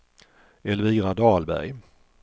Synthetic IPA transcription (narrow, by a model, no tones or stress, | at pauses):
ɛlviːɡɾad̪ɑːlbæ̰ɾj